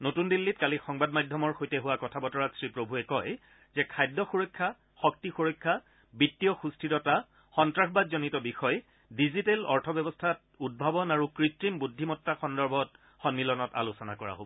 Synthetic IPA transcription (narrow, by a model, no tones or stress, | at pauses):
notundilːitkalixɔŋbadmajdʱjɔmɔɹxojtɛɦuwakɔtʰabɔtɔɹatsɹipɹobʱuɛkɔj | zɛkʰajdːɔxuɹɔjkʰːa | xɔk̚tixuɹɔjkʰːa | bitːiɔxustʰitɔta | xɔntɹaxɔbadzɔnitɔbixɔj | dizitelɔ̰ɹtʰɔbɛbɔstʰat | ud̚bʱabɔnaɹukɹitɹimbudʱːimɔtːaxɔndɔɹbʱɔt | xɔnmilɔnɔta̰lusɔna̰kɔɹa̰ɦo̰bɔ